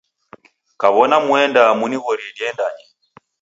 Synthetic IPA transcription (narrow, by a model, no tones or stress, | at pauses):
kaβɔnamwɛndamuniɣɔɾidiɛndaɲɛ